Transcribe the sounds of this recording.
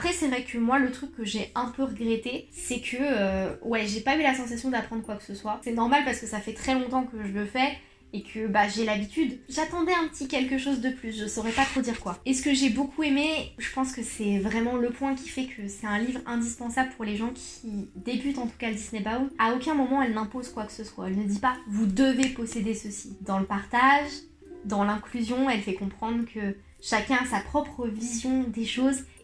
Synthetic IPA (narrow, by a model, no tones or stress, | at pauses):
apχɛsɛvʁɛkʰəmwalət̪χykːəʒeɛ̃pøʁəɡʁet̪esɛkʰəøwɛʒepaylasɑ̃s̬asjɔ̃d̪apχɑ̃d̪ʁəkwakə̥səswasɛnɔʁmalpaʁsə̥kəsafɛt̪χɛlɔ̃t̪ɑ̃kəʒələfɛ | ekʰəbaʒelabit̪yd̪ʒat̪ɑ̃d̪ɛɛ̃pət̪ʰikʲɛlk̬əʃozd̪əplysʒəsɔʁɛpat̪χod̪iʁkwaesə̥kəʒɛbokʰuemeʒəpɑ̃skəsɛvʁɛmɑ̃ləpwɛ̃kʲi̥fɛkʰəsɛt̪ɛ̃livʁɛ̃d̪ispɑ̃sabləpuʁleʒɑ̃kʲʰid̪ebyt̪ɑ̃t̪u̥kaləd̪isnɛbauaokʲɛ̃mɔmɑ̃ɛlnɛ̃pozkwaksəswa̰ɛlnəd̪ipavud̪əvepɔsed̪esəsid̪ɑ̃ləpaʁt̪aʒ | d̪ɑ̃lɛ̃klyzjɔ̃ɛlfɛkɔ̃pχɑ̃d̪ʁkʰə | ʃakʲɛ̃asapχɔpχəvizjɔ̃d̪eʃoz